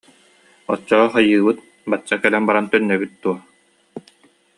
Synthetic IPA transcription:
ɔt͡ɕːɔχajɯːbɯt̪̚ | bat͡ɕːakɛlɛnbaɾant̪œnːœɡyt̪̚d̪uɔ

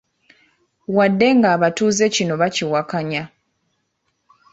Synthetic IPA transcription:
wadːe̞ŋɡaːβatuːze̞cino̞βaciwakaɲa

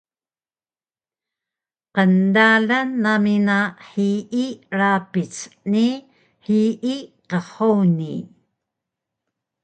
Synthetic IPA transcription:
qəndaɮanːaminaħiʔiɾapit͡sni | ħiʔiqəχowni

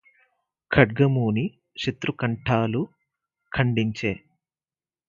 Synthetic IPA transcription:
kʰɐɖ̚ɡɐmuːni | ʃɐt̪ɾukɐɳʈʰaːlu | kʰɐɳɖiɲt͡ʃeː

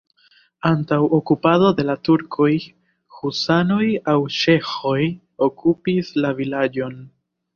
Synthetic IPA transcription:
antawʔokupado̞de̞latuɾkʰo̞j | husano̞jawʃe̞xo̞j | o̞kupislavilad͡ʒo̞n

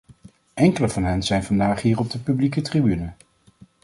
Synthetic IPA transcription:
ʔɛŋkələvɑnɦɛnzɛjnvɑndaːχɦiːrɔb̚dəpyblikətribynə

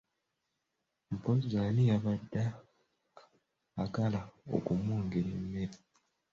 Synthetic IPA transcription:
mpozanijaβadːa | kalao̞̰kumuːŋɡeɾemːeɾi

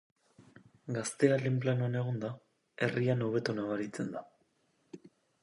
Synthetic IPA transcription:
ɡast̪e̞alemplanuane̞ɣ̞ond̪a | e̞riano̞β̞e̞t̪onaβaɾit͡se̞nd̪a

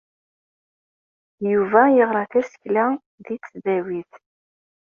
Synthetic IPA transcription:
juvæjəʁɾˤɑθæsə̥çlæ | ðit͡sːðæwiθ

